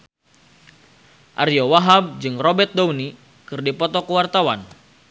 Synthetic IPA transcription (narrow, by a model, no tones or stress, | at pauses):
ʔarjowaɦab̚d͡ʒɨŋrɔbɛt̪̚downi | kɨrdipɔt̪ɔkəwart̪awan